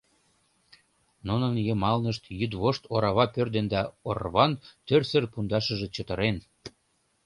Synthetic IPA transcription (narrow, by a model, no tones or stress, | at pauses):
nunənjemɑlnəʃt̪jyd̪βoʃt̪oɾɑβɑpørd̪end̪ɑorβɑnt̪ørsərpund̪ɑʃəʒĕt͡ɕət̪ə̆ɾen